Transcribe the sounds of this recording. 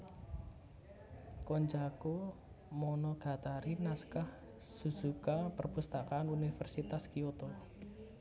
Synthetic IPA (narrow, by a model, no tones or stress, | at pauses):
kɔɲd͡ʒako | mɔnɔɡ̥a̤t̪aɾinaskah | suz̥ukapərpust̪akaːnunifərsit̪askiot̪ɔ